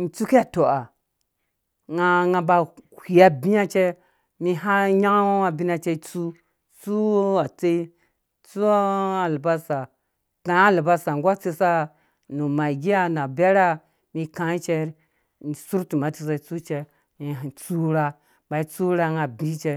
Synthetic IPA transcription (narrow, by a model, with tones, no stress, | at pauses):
n̩˨t͡su˦ke˦a˨to˨a˨ | ŋa˧ŋa˧ba˨kʷi˨a˨bĩ˦a˦t͡ʃe˦ | mi˧ɦa˦ɲa˦ŋ˦a˨bi˦na˦˧t͡ʃe˧˦t͡su˦ | t͡su˦a˨t͡se˦i˦ | t͡su˦a˨la˨ba˦sa˨ | kã˨a˦˨la˨ba˦sa˨ŋ˨ɡʷa˦t͡se˧sa˦ | nu˨ma˨ɡi˦a˦na˨be˦ɾa˦ | mi˧kã˨i˦t͡ʃe˧˦ɾ | ni˨su˦ɾtu˨ma˨ti˧s̬a˨˧i˦t͡su˦t͡ʃe˧ | mi˨t͡su˦ɾa˧ | ba˨i˦t͡su˦ɾa˧ŋa˨bi˦t͡ʃe˧